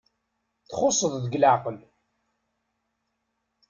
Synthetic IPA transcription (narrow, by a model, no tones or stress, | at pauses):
θχʊsˤːəðˤðəɡlaqəl